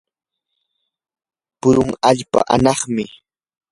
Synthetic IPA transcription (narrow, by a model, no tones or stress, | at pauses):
pʊɾʊŋaʎpa̰ʔanɑχmɪ